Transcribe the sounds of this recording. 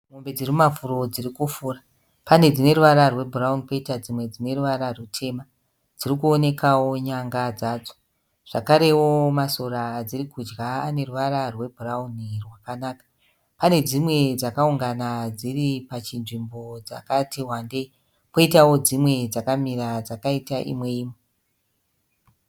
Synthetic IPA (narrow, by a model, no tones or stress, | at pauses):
mo̞mbe̞d͡zirimumafuro̞d͡zirikufuːra | pane̞d͡zine̞ruʋaɾarwe̞bʱuraunipo̞itad͡zimwe̞d͡zine̞ruʋaɾarutʰe̞ːma | d͡zirikuo̞ne̞kawo̞ɲaŋɡad͡zaːd͡zo | ʐ̥a̰kaɾe̞wo̞maso̞ɾad͡zirikud͡ʒɡaːne̞ruʋaɾarwe̞bʱuraunirwakanaːkḁ | pane̞d͡zimwe̞d͡zakauŋɡanad͡ziripat͡ʃinʐimbo̞d͡za̰katiɦwande̞ | po̞itawo̞d͡zimwe̞d͡zakamiɾad͡zakaitaʔḭmwe̞iːme